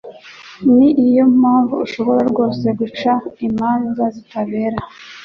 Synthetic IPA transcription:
niʔijo̞m̥aːɱvuːʃo̞βo̞ɾaɾɡoːse̞ɡut͡ʃaimaːnzazitaβe̞ːɾa

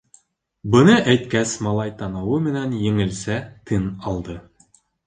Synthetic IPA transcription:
bɤ̆nɤʔæjt̪̚kæsmɑlˠɑjt̪ɑnɤwɤmɘ̆nænjɘ̆ŋɘ̆lsæt̪ʰɘnɑlˠd̪ɤ

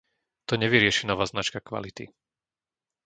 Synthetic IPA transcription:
t̪ɔɲɛʋiɾɪɛʃinɔʋaːznat͡ʃkakʋa̰lit̪ḭ

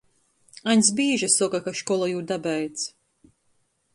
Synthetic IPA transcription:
anʲs̬biːʒasɔkakaʃkɔlˠajuːd̪abɛjt̪s

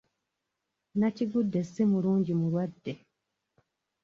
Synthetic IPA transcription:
naciɡudːesimuɾuːɲɟimuɾwadːe

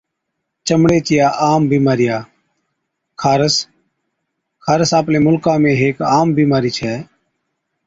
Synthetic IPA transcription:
t͡ʃəmɽeːt͡ʃɪjaːʔaːmbiːmaːɾɪjaː | kʰaːɾəs | kʰaːɾəsaːplẽːmʊlkãːmẽːɦeːkaːmbiːmaːɾiːt͡ʃʰɛː

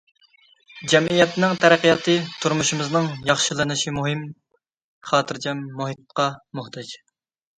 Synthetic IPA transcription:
d͡ʒɛmʔijɛt̪nɪŋt̪ʰɛɾæqijɑt̪ʰɨt̪ʰuɾmuʃumɨznɨŋjɑχʃɨlˠɨnɨʃimuɦɨm | χɑːt̪ʰɨɾd͡ʒɛmːuɦit̪̚qɑmoht̪ʰɑd͡ʒ

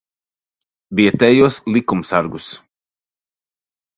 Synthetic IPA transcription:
viɛt̪ɛjuɔslˠikumsaɾɡus

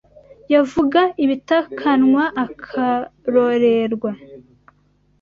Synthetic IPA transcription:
javuɡaiβitakʰanŋwaʔːkʰaɾoɾeɾɡwa

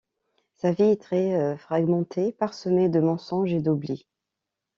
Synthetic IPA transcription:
saviɛt̪χɛøfχaɡmɑ̃t̪ʰepaʁsəmed̪əmɑ̃sɔ̃ʒed̪obli

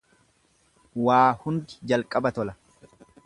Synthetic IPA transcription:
waːhʊnd̪ɪd͡ʒɐlkʼɐbɐt̪ɔlɐ

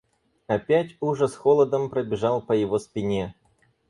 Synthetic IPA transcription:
ɐpʲætʲuʐɛsxolˠəd̪əmpɾəbʲɪʐɑlˠpəjɪvospʲɪnʲe

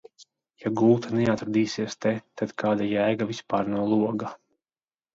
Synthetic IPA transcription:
jaɡult̪ʰanɛat̪ɾad̪iːsiɛst̪ɛt̪ad̪̥kaːd̪ajæːɡavispaːɾnawlˠuɔɡa

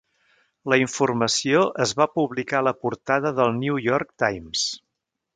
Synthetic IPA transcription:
ləiɱfurməsioʔəzβapuβlikaləpuɾt̪aðəðəlˠniujɔrkt̪ajms

